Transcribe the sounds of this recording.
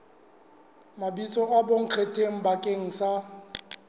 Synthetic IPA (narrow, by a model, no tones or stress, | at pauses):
mabit͡sʼɔʔaboŋ̩q͡χʰetʼeŋ̩bakʼeŋ̩sa